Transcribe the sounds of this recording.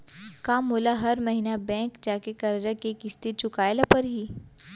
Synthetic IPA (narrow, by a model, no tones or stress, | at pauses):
kaːmɦoːlaɦɐɾmɐɦinabɛ̃ːŋkd͡ʒaːkekɐɾd͡ʒakekɪst̪it̪̚t͡ʃʊkaːjlapɐɾɦiː